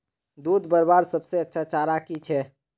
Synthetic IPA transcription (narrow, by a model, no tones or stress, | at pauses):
d̪ud̪ʱbəɾbaɾsəbseətːʃʰat͡ʃaɾakit͡ʃʰɛ